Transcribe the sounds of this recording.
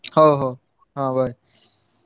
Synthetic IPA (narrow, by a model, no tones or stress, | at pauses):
hoːɦoː | ɦãːbaːi